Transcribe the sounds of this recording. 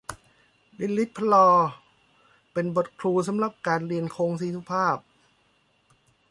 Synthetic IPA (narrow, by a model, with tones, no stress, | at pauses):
li˦˧˥nli˦˥t̪̚pʰːa˧lɔː˧ | pe˧nbo˨˩t̪̚kʰɾuː˧s̬a˨˩˦mɾa˨˩p̚kaː˧nɾi˧ənkʰoː˧ŋsiː˨˦su˦˧˥pʰaː˥˩p̚